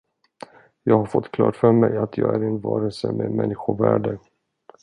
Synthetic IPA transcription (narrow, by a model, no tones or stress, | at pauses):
jɑːɡɦaɾfɔt̪ːkʰlɑ̰ːʈfœɾmɛjat̪ʰjɑːɡæɾɛnvɑːɾəlsəmeːmɛnːɪɧʊvæːɖə